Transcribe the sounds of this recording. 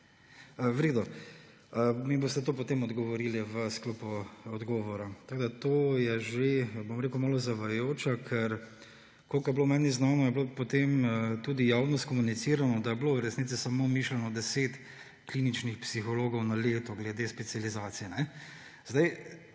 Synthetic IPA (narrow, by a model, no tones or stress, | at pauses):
ʋɾed̪ɔ | əmiboːst̪ɛt̪oːpɔt̪eːmɔd̪ɡɔʋɔɾiːliʋəsklopuɔd̪ɡɔːʋɔɾat̪akod̪at̪oːjɛʒebomɾeːkumaːlɔzaʋajjoːt͡ʃakʰɛɾ | kolkjɛblomɛːniznaːnɔjɛblopot̪emət̪uːd̪ijaːwnɔst̪kɔmunit̪siːɾanɔd̪ajɛblowɾɛsnit̪sisamoːmiːʃlɛnɔd̪ɛseːt̪ | klinit͡ʃnixpsixɔloːɡɔwnaleːt̪ɔɡlɛd̪espɛt̪sijalizaːt̪sijɛnɛ | zd̪aj